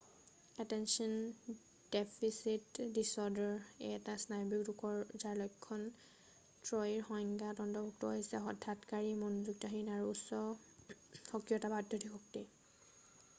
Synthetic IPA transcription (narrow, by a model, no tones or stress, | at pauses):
ɛtɛnsɔn | depʰisitdisɔdɔɹḛɛtasnajbikdukɔɹzaɹlɔjkʰːɔn | tɹɔiɹxɔjŋɡatɔndɔbuk̚tɔɦojsɛɦɔdʱatkaɹimɔnuzuk̚tɔɦinaɹuːsɔ | xɔkɹiɔtabadʱjɔtʰixɔk̚ti